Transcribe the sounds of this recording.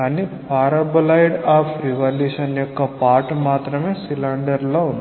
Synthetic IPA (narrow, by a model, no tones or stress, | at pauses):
aːnipʰaːɾɐbɐlɐjɖaːpʰɾiʋaːljuːʃɐnjɔkːɐpaːɾʈmaːt̪ɾɐmeːsilaɳɖɐɾlound̪